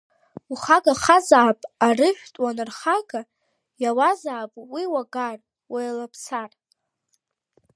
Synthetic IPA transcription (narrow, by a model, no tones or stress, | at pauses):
uχaɡaχazaːpʼarɨʒᶣtʼwanɨrχaɡa | jawazaːpʼwiwaɡar | wʔajlapʰsar